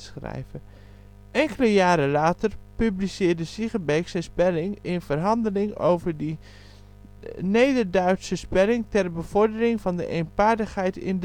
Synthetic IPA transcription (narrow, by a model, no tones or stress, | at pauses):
sχrɛ̰jvə | ʔɛŋkələjaːɾəlaːtəɹpyblisɪːɹdəsiχəbɛjksɛnspɛlɪŋɪnvərɦɑndəlɪŋo̰wvəɹdi | nejdəɹdœɥtsəspɛlɪŋtɛrbəv̥ɔɹdərɪŋvɑndə̰ʔejnpaːɹdəχɦɛjtɪ̰nd